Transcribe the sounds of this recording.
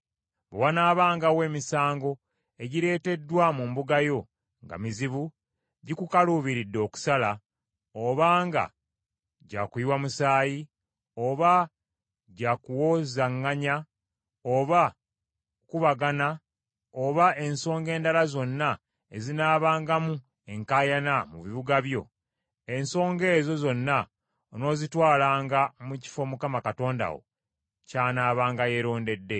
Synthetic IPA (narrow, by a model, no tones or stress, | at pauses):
bewanaːβaːŋɡawe̞ːmisaːŋɡo̞ | e̞ɟiɾe̞ːte̞dːwamumbuɡajo̞ | ŋɡa̰miziβu | ɟikukaluːβiɾidːo̞ːku̥sala | oβaːŋɡa̰ | ɟaːkuiwamusaːji | o̞βa | ɟakuwo̞ːzaŋːaɲa | oβa | kuβaɡana | oβaʔe̞nso̞ːŋɡe̞ːndalazo̞nːa | e̞zinaːβaːŋɡamu | e̞ŋkaːjanamuβiβuɡaβjo̞ | e̞nso̞ːŋɡe̞ːzo̞zo̞nːa | ono̞ːzitwaːlaːŋɡamuci̥fo̞mukamakato̞ːnda̰wo̰ | caːnaːβaːŋɡaje̞ɾo̞ːnde̞dːe̞